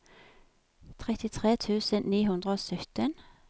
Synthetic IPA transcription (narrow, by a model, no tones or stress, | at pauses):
t̪ʰʁɛt̪ɪt̪ʰʁeːt̪ʰʉːsənniːɦʉnd̪ʁəoːsœt̪ən